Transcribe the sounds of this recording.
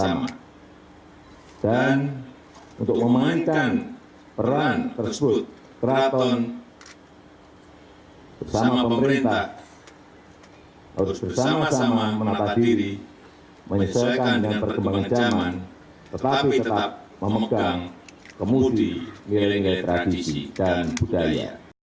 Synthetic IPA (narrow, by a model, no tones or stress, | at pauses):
sama̰ | d̥an | unt̪ʊk̚məmaiŋkan | pəɾant̪ərsəbʊt̪̚ | kəɾat̪ɔn | b̥ərsamapəməɾint̪ah | a̰ɾʊsb̥ərsamasamamənat̪ad̥iɾi | məɲəsɔkandəŋanpərɡəmbaŋand͡ʒaman | t̪ət̪apit̪ət̪ap̚ | məməɡ̥aŋkəmudinilaimilajt̪ɾad̥isḭd̥anb̥ud̥aja̰